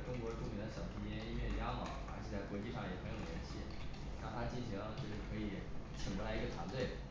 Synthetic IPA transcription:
ʈ͡ʂʊ˥ŋkwɔ˧˥ʈ͡ʂu˥˩mʰi˧˥d̪ə˧˩ɕjɑ˨˩ʊʂɻ̩˧˥t͡ɕjɛ˥ni˥nɥɛ˥˩nja˥mɑ˨˩˦ə̰˞˧˥t͡ɕʰjɛ˨˩t͡sa˥˩ɪkwɔ˧˥t͡ɕi˥˧ʂɑ˥˩ŋjɛ˨˩xjo˨˩ljɛ˧˥nɕḭ˧˥ | na˥˩t̪ʰa˥t͡ɕi˥˩nɕi˧˥ŋlə˧t͡ɕjo˥˧ʂɻ̩˥˩kʰɤ˧˥i˨˧˩ | ʈ͡ʂʰi˨˩ŋbə˧˥la˧˥ɪ˧˥ɡə˧t̪ʰwa˧˥nt̪we˥˩ɪ

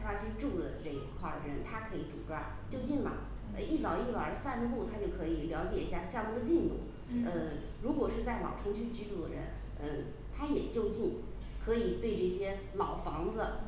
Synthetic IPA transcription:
xwa˥˧t͡ɕʰy˥˧ʈ͡ʂu˥˩lə̰˩ʈ͡ʂɤ˥˩i˧˥kʰwa̰˥˩ə˩ɻə˧˥nt̪ʰa˥kʰɤ˧˥i˧˥ʈ͡ʂṵ˨˩ʈ͡ʂwa˥˩ | t͡ɕjo˥˧ʊt͡ɕi˥˩nbə̰˨˩ | ə˧i˥˩t͡sɑ˨˩ʊi˥˩wə̰˨˩˦sa˥˧n˧˥t̪u˥˩t̪ʰa˥t͡ɕjo˥˩ʊkʰɤ˧˥i˨˩ljɑ˧˥ʊt͡ɕjɛ˨˩i˧˥ɕja˥˧˩ɕja˥˧mu˥˩d̪ə˧t͡ɕi˥˧nt̪ṵ˥˩ | ə˥˧ | ɻu˧˥kwɔ˨˩ʂɻ̩˥˧t͡sa˥˩ɪlɑ̰˨˩ʊʈ͡ʂʰɤ˧˥ŋt͡ɕʰy˥˧t͡ɕy˧˥ʈ͡ʂu˥˩d̪ə̰˧˩ɻə̰˧˥n | ə˥˩ | t̪ʰa˥jɛ˨˩t͡ɕjo˥˧ʊt͡ɕi˥˩n | kʰɤ˧˥i˨˩t̪we˥˧ɪʈ͡ʂɤ˥˩ɕjɛ˥ | lɑ˨˩ʊfɑ˧˥ŋd͡zə˧

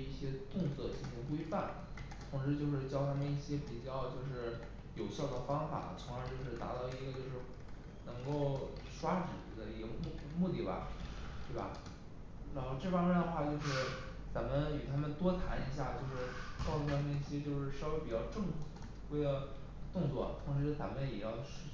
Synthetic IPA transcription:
i˥˩ɕjɛ˥t̪ʊ˥˧ŋsʰɤ˥˩t͡ɕi˥ŋɕʰi˧˥ŋkwe˥ɪfa˥˩n | t͡sʰʊ˧˥ŋɻ̩˥˧t͡ɕjo˥˧ʊʂɻ̩˥˧t͡ɕjɑ˥˩ʊt̪ʰa˥mə˧ni˥˩ɕjɛ˥pi˨˩t͡ɕjɑ˥˧ʊt͡ɕjo˥˧ʊʂɻ̩˥˩ | jo˨˩ʊɕjɑ˥˩ʊd̪ə˩fɑ˥ŋfa̰˨˩˦t͡sʰʊ˧˥ŋa˧˥t͡ɕjo˥˧ʊʂɻ̩˥˩t̪a̰˧˥t̪ɑ˥˩ʊi˧˥ɡə˧t͡ɕjo˥˧ʊʂɻ̩˥˧ | nɤ˧˥ŋko˥˩ʊʂwa˥ʈ͡ʂɻ̩˨˩fu˧˥d̪ə˦i˧˥ɡə˧mu˥˧ | mu˥˧t̪i˥˩bɐ̰˩t̪we˥˩ɪbɐ̰˩ | ɻa˧˥nxo˥˧ʊʈ͡ʂɤ˥˩fɑ˥mjɛ˥nd̪ə˧xwa˥˧t͡ɕjo˥˧ʊʂɻ̩˥˩ | t͡sa˧˥mə˧ny˨˩t̪ʰa˥mə˨nt̪wɔ˥t̪ʰa̰˧˥ni˧˥ɕ̬ja˥˩t͡ɕjo˥˧ʊʂɻ̩˥˩t͡ɕʂu˥˩t̪ʰa˥˩mə˧˩i˥˩ɕjɛ˥t͡ɕjo˥˧ʊʂɻ̩˥˩ʂɑ˥ʊwe˧˥ɪpi˨˩t͡ɕjɑ˥˧ʊʈ͡ʂɤ˥˧ŋ˥˩ | we˥ɪlə˧ | t̪ʊ˥˧ŋt͡swɔ̰˥˩t̪ʰʊ˧˥ŋʂ̬ɻ̩˧˥t͡sa̰˧˥mə˧njɛ˨˩jɑ˥˧ʊɕ

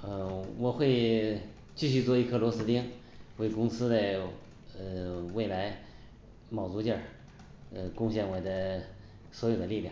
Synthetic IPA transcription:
ə˧˩wɔ˨˩xwe˥˧ɪ | t͡ɕy˥˧ɕy˥˧t͡swɔ˥˧i˥˩kʰɤ˥˩lwɔ˧˥sɹ̩˥t̪i˥ŋwe˥˩ɪkʊ˥ŋsɹ̩˥d̪a˧ɪ | ə˧we˥˩ɪla˧˥ɪ | mɑ˨˩ʊt͡su˧˥t͡ɕjə˞˥˩ | ə˧kʊ˥˧ŋɕ̬jɛ˥˩nwe˧˥ɪd̪ə˧ | swɔ˧˥jo˨˩ʊd̪ə˦li˥˧lja̰˥˩ŋ

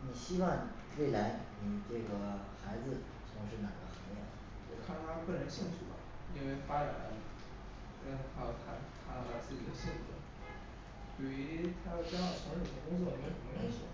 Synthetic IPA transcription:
ni˨˩ɕi˥wɑ˥˩ŋ | we˥˩ɪla˧˥ɪni˨˩ʈ͡ʂɤ˥˩ɡə˩xa˧˥ɪd͡zɹ̩˧ | t͡sʰʊ˧˥ŋʂɻ̩˥˩na˨˩ɡ̪ə˧xɤ˧˥ŋjɛ̰˥˩˥kʰa˥˩nt̪ʰa˥pə˥˩nɻə˧˥nɕi˥˧ŋt͡ɕʰy˥˩lɐ̰˩i˥nwe˥˩ɪfa˥a˨˩a˧˥ | a˥˧˥kʰa˥˩˨t̪ʰa˥t̪ʰa˧˥lɑ˥˩t̪ʰa˧˥t͡sɹ̩˥˩t͡ɕi˨˩d̪ə˦ɕɛ˥˩nʈ͡ʂə˥˩ | pi˨˩ɥy˧˥t̪ʰa˥d̪ə˨˩t͡ɕɑ˥ɑ˨˩ʊt͡ɕʰɑ˧˥ʂo˨˩ɕʰŋkʊ˥ŋt͡swɔ˥˩i˧˥˨u˧˥ne˥˩ʂɔ̰˥˩

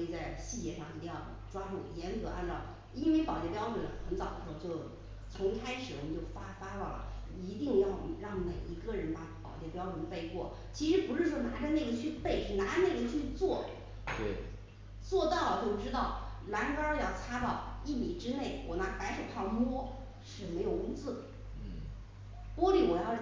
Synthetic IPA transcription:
i˧˩t͡sa˥˧ɪɕi˥˧t͡ɕjɛ˥˧ʂɑ˥˩ŋi˧˥t̪ɪ˥˧jɑ˥˩ʊ | ʈ͡ʂwa˥ʈ͡ʂu˥˩ŋ˧˩jɛ˧˥nkɤ˧˥ʔa̰˥˧nʈ͡ʂɑ˥˩ʊ | i˥nwe˥˧˩ɪpɑ˨˩ʊt͡ɕjɛ˥˩pjɑ˥ʊʈ͡ʂwə˧˥nxə˧˥nt͡sɑ˨˩ʊd̪ə˧˦ʂɻo˥˧t͡ɕjo˥˩ʊ | t͡sʰʊ˧˥ŋkʰa˥ɪʂɻ̩˨˩wɔ˨˩mə˨˩t͡ɕjo˥˩ʊfa˥fa˥lɔ˥˩lə̰˩ | i˧˥t̪i˥˧ŋjɑ˥˧ʊɻɑ˥˩ŋme˨˩ɪi˧˥ɡə˥˩ɻə˧˥npa˧˩pɑ˨˩ʊt͡ɕjɛ˥˧pjɑ˥ʊʈ͡ʂə˧˥nfe˥˧ɪkwɔ̰˥˩ | t͡ɕʰi˧˥ʂɻ̩˧˥pu˧˥ʂɻ̩˥˩ʂwɔ˥na˧˥ʈ͡ʂə˥˧na˥˩ɡə˩t͡ɕʰy˥˧pe˥˩ɪʂɻ̩˥˩na˧˥˦na˥˩ɡə˨t͡ɕʰy˥˧t͡swɔ˥˩˨ | t͡swɔ˥˧t̪ɑ˥˩ʊlə˨˩t͡ɕjo˥˩ʊʈ͡ʂɻ̩˥t̪ɑ˥˩ʊ | la˧˥nkə˥jɑ˥˩ʊt͡sʰa˥t̪ɑ˥˧ʊi˥˩mi˨˩ʈ͡ʂɻ̩˥ne˥˩ɪwʔɔ̰˨˩na˧˥pa˧˥ɪʂə˨˩pʰɑ˥˩ŋmwɔ˥ | ʂɻ̩˥˩me˧˥ɪjo˨˩ʊʊ˥ŋt͡sɹ̩˥˩˥ | mwɔ˥li˥˩wɔ˨˩jɑ˥˧ʊ

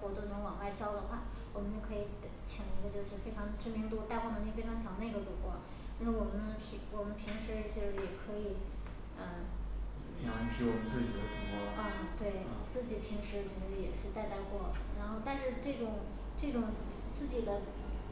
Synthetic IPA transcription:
xwɔ˧˥t̪ʊ˥˩nʊ˧˥ŋwɑ˨˩ŋwa˥˩ɪɕjɑ˥ʊlə˨˩xʰa˥˩ | wɔ˨˩mə˦njo˧˩kʰɤ˧˥i˧˩˥t͡ɕʰjɑ˨˩ŋi˧˥ɡə˧t͡ɕjo˥˧ʊʂɻ̩˥˧fe˥ɪʈ͡ʂʰɑ˧˥ŋʈ͡ʂɻ̩˥mi˧˥ŋt̪̬u˥t̪a˥˧ɪxwɔ˥˩˧t͡ɕi˥˧fe˥ɑ˧˥ŋt͡sʰɑ˧˥ŋnd̪ə˧i˧˥ɡə˧ʈ͡ʂu˨˩kwɔ˧˥ | n˥˩ʂ̩˥˩wɔ˨˩mə˦nʰ˧˥wɔ˨˩mə˦npʰi˧˥ŋʂɻ̩˧˥t͡ɕjo˥˧ʊʂɻ̩˥˩jɛ˨˩kʰɤ˧˥i˨˩ | ə˧˩ | i˧˥a˥t͡ɕʰy˧˥wɔ˨˩mə˦nt͡sɹ̩˥˩t͡ɕi˨˩d̪ə˦t͡ɕʰi˧˥ŋɔ̰˥˩ə˥˧˩t̪we˥˩ɪ | t͡sɹ̩˥˩t͡ɕi˨˩pʰi˧˥ŋʂɻ̩˧˥˨t͡ɕjo˥˧˥ʊʂ̩˥˧˩jɛ̰˨˩ʂɻ̩˥˧t̪a˥˧ɪt̪a˥˧ɪkwɔ˥˩ɻa˧˥nxo˥˧ʊt̪a˥˧nʂɻ̩˥˧ʈ͡ʂɤ˥˩ʈ͡ʂʊ˨˩ŋ | ʈ͡ʂɤ˥˩ʈ͡ʂʊ˨˩ŋ | t͡sɹ̩˥˩t͡ɕi˨˩d̪ə˦

